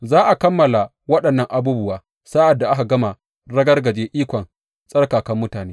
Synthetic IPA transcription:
zaː˦ʔa˨kɐ˦mːɐ˨la˨ | wɐ˦ɗɐ˨nːɐ˦ŋʔa˨buː˦bʊ˦waː˨ | sa˦ʔa˨dːa˨ʔa˦ka˨ɡɐ˦ma˨ | ɽɐ˦ɡɐ˦rɡɐ˨d͡ʒeː˦ʔiː˦kʷɔ˨n | sʼɐ˦rkaː˨kɐ˦mːʊ˦taː˨neː˦

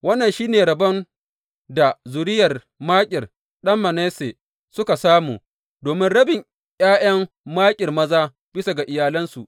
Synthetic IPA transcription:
wɐ˦nːɐ˨nʃiː˦neː˨ɽɐ˨bɐ˦n | da˨zʊ˨ɾɪ˦jɐ˨r | maː˦kʲʼɪ˨r | ɗɐ˦mːɐ˨neː˦se˨ | sʊ˦ka˨saː˦muː˨ | doː˨mɪ˦nɽɐ˦bɪ˨ŋ | j̰aː˦j̰ɐ˦m | maː˦kʲʼɪ˨rmɐ˦zaː˦ | b̥ɪ˦sa˨ɡa˨ʔɪ˨jaː˨lɐ˦nsu˨ʔ

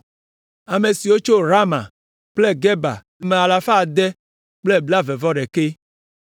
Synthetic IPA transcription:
a˨me˨si˨wo˦t͡ʃo˦ɾa˦ma̰˨ | k͡ple˦ɡɛ˦ba̰˨˦me˨a˨la˨fa˦˨d̪ɛ˦ | k͡ple˦˨bla˦vɛ˨vɔ˦ɖɛ˨ke˦

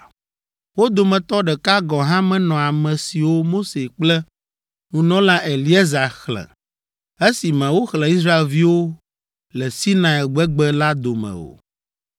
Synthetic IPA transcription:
wo˦d̪o˨mɛ̃˨t̪ɔ˦ɖɛ˨ka˦ɡɔ˨ɦã˦mɛ̃˦nɔ̃˨a˨mɛ̃˨si˨wo˦mo˦se˨k͡plɛ˦ | nũ˨nɔ̃˦la˦ʔɛ˨li˦ɛ˦za˨xlɛ̰˨ | e˦si˨mɛ̃˨wo˦xlɛ̃˨i˦sɾa˦e˨lvi˦wo˦ | lɛ˨si˦nã˨ɛ˨ɡ͡bɛ˦ɡ͡bɛ˦la˦d̪o˨mɛ̰̃˨o̰˨

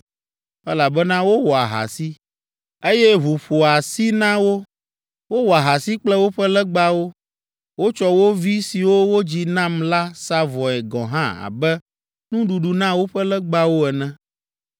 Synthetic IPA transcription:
ɛ˦la˨bɛ˦nã˦wo˦wɔ˨a̰˨ɦa̰˨si˦ | e˦jɛ˦ɦu˨ɸo˨a˨si˦nã˦wo˦ | wo˦wɔ˨a˨ɦa˨si˦k͡plɛ˦wo˦ɸɛ˦lɛ˦ɡ͡ba˦wo˦ | wo˦t͡ʃɔ˦wo˦vi˦si˨wo˦wo˦d͡ʑi˦nã˦mla˦sa˦vɔ˨ɛ˨ɡɔ̰̃˨ɦã̰˦a̰˨bɛ˦ | nũ˦ɖu˨ɖu˨nã˦wo˦ɸɛ˦lɛ˦ɡ͡ba˦wo˦ɛ˨nɛ̃˦

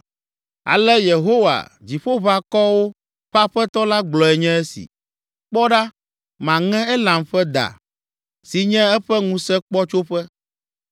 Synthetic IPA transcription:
a̰˨lɛ˦je˨ɦo˦wa̰˨d͡ʑi˨ɸo˦βa˨kɔ˦wo˦ | ɸa˦ɸɛ˦t̪ɔ˦la˦ɡ͡blɔ˨ɛ˨ɲɛ̃˦ɛ˦sḭ˨ | k͡pɔ˦ɖa˦ | mã˨ŋɛ̃˦ɛ˦lã˨mɸɛ˦d̪a̰˨ | si˨ɲɛ̃˦ɛ˦ɸɛ˦ŋũ˦sɛ˦k͡pɔ˦t͡ʃo˦ɸɛ˦

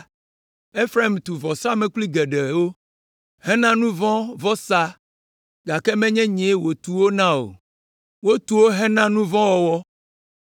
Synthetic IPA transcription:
e˦fɾa˦˨mt̪u˨vɔ˨sa˦mɛ̃˨kli˦ɡɛ˨ɖɛ˨wo˦ | hɛ̃˦nã˦nũ˦vɔ̃˦vɔ˦sa˦ | ɡa˨kɛ˦mɛ̃˦ɲɛ̃˦ɲẽ˨˦wo˨t̪u˨wo˦nã˦o̰˨ | wo˦t̪u˨wo˦ɦɛ̃˦nã˦nũ˦vɔ̃˦wɔ˨wɔ˦

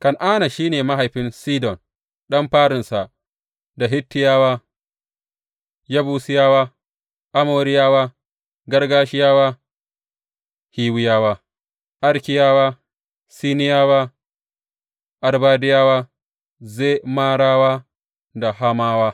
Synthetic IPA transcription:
kɐ˨nʔaː˦na˨ʃiː˦neː˨ma˦ɦa˨jɸɪ˦nsiː˦dɔ˨n | ɗɐ˦mɸaː˦ɾɪ˨nsa˨ | da˨ɦɪ˦tːɪ˦jaː˦waː˦ | jɐ˦buː˦sɪ˦jaː˦waː˦ | ʔa˦moː˨ɾɪ˦jaː˦waː˦ | ɡɐ˦rɡaː˦ʃɪ˦jaː˦waː˦ | hiː˦wɪ˦jaː˦waː˦ | ʔɐ˦ɾkʲɪ˦jaː˦waː˦ | siː˦nɪ˦jaː˦waː˦ | ʔa˨rbaː˦dɪ˦jaː˦waː˦ | zeː˦maː˦ɽaː˦waː˦ | da˨ha˦maː˦waː˦

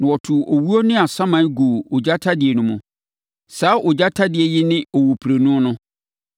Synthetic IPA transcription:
nɪ̃˨wɔ˨tʰʊ˨ʔo˨wu˦o˦nɪ̃˦a˨sã˦mã˨˦ɡu˨o˨d͡ʑa˦tʰa˦dɪ˨ɛ˨nʊ̃˦mʊ̃˨ | saː˨˦ʔʊ˨d͡ʑa˦tʰa˦dɪ˨ɛ˨jɪ˦nɪ̃˦o˨wo˨pʰɾe˨nũ˦nʊ̃˦

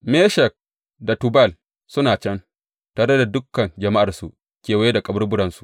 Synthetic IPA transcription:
meː˦ʃɛ˨k̚ | da˨tu˨bɐ˦˨l | sʊ˦naː˨t͡ʃɐ˦n | taː˨ɽɐ˦da˨dʊ˦kːɐ˨nd͡ʒɐ˨ma˦ʔa˨rsu˨ʔ | kʲeː˨wa˨˦je˦da˨kʼɐ˨bɐ˦rbʊ˦ɽɐ˨nsu˨ʔ

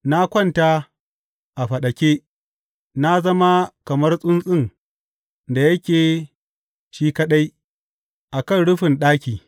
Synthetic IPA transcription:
na˦kʷɐ˦nta˦ | ʔa˨ɸɐ˨ɗɐ˨kʲe˦ | na˦zɐ˦ma˦kɐ˨mɐ˦rsʼʊ˦nsʼɪ˦˨ŋ | da˨jɐ˦kʲeː˨ | ʃiː˦kɐ˦ɗa˦j | ʔa˨kɐ˦˨nɽʊ˦ɸɪ˨nɗaː˦kʲiː˨

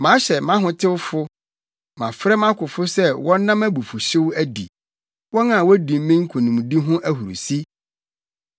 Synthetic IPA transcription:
mã˨˦ɕɛ˨mã˦ɦʊ̃˨tʰɪ˦wfʊ˦ | mã˨fɾɛ˦mã˦kʰʊ˨fʊ˦sɛ˦wɔ̃˦nːã˦mæ˦bu˨fu˨ɕɪ˦wæ˦dḭ˨ | wɔ̃˦nã˨wɔ˦dĩ˨m˦mĩ˦ŋ̩˦kʰo˨nũ˨m˨di˦ɦʊ̃˦ʔæ˦ɦu˨ɾṵ˨si˦

